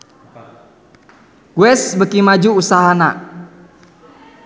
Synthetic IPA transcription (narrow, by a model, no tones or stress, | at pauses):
ɡ̥uɛsbəkimad͡ʒuusaɦana̰